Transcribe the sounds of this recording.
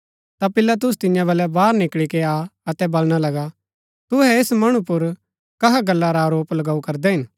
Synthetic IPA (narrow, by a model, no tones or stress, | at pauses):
t̪apɪlat̪̬ʊst̪ɪ̃jãbɐlɛbaːɾnɪkɭikeaɐt̪ɛbɐlɽ̃alɐɡa | t̪ʊɦɛesmɐɽ̃ũpʊɾ | kɐɦaɡɐlːaɾaːɾoːplɐɡaːukɐɾd̪ɛɦɪn